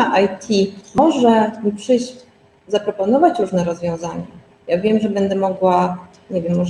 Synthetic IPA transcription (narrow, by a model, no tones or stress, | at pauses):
aʔajt̪ʲʰimɔʐɛɲipʂɘɕ | zapɾɔpɔnɔvat͡ɕɾuʐnɛɾɔzvʲjɔ̃w̃zaɲa̰ | javʲjɛmʐɛbɛnd̪ɛmɔɡwa | ɲevjɛmːɔʐ